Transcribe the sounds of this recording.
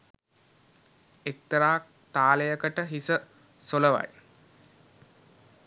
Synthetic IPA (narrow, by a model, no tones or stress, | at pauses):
ek̚t̪ɾaːk | t̪aːlejəkəʈəɦisə | soləʋa̰j